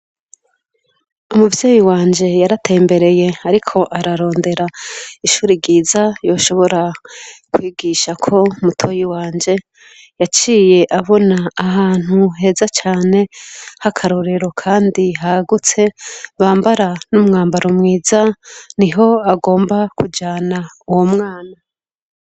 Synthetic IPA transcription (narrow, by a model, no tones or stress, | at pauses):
umuvjeːjiwaːɲd͡ʒe̞jaɾate̞ːmbe̞ɾe̞je̞aɾikʰo̞ʔaɾaɾo̞ːnde̞ɾaiʃuːɾiɡiːzajo̞ːʃo̞βo̞ɾakwiːɡiʃakʰo̞mutʰojiwaːɲd͡ʒe̞ | jat͡ʃiːje̞ʔaβo̞naːɦaːn̥huɦe̞ːzat͡ʃaːne̞hakʰaɾoɾe̞ɾo̞kʰaːndiɦaɡut͡se̞βaːmbaɾanumŋaːmbaɾomŋiːzaniɦo̞aɡo̞ːmbakud͡ʒaːnauwo̞mŋaːna